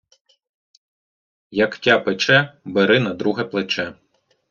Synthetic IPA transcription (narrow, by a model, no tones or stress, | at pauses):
jɐktʲapɪt͡ʃɛbeɾɪnɐd̪ɾuɦɛplˠet͡ʃɛ